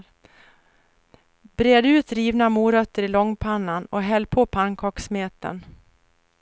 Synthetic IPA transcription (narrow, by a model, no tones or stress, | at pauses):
bɾeːd̪ʉ̟ːt̪ɾiːvnamuːɾœt̪ːəɾɪlɔŋːpʰanːanɔɦɛlːpʰoːpʰankʰɔksmeːt̪ə̰n